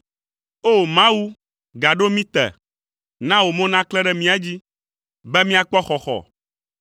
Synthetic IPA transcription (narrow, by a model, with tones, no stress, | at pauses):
o˦mã˦wu˦ | ɡa˨ɖo˦mĩ˦t̪ɛ̰˨ | nã˦wo˨mɛ̃˦nã˦klɛ˦ɖɛ˦mĩ˦a˦d͡ʑi˦ | bɛ˦mĩ˦a˨k͡pɔ˦xɔ˨xɔ̰˨